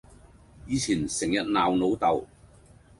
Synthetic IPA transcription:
jiː˨˧t͡sʰiː˨˩nsɪ˨˩ŋjɐ˨t̚naː˨wno˨˧˥wt̪ɐ˨w

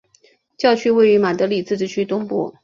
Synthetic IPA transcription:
t͡ɕjɑ˥˧ʊt͡ɕʰy˥we˥˩ɪy˧˥ma˨˩t̪ɤ˧˥li˨˩t͡sɹ̩˥˧ʈ͡ʂɻ̩˥˩t͡ɕʰy˥t̪ʊ˥ŋpṵ˥˩

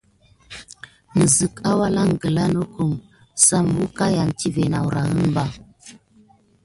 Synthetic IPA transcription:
mə˨zə˨ka˦wa˦la˦ŋ˨ɡə˨la˦no˦ku˨m | sa˦mbu˦ka˦ja˨n˨ti˦ve˨na̰˨wu˨ɾa̰˨ɣə˦nba˦

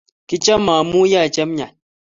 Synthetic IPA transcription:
ki˦t͡ʃɛ˦mːaː˨mu˦ja˦˨t͡ʃɛ˦mɲa˨n̚

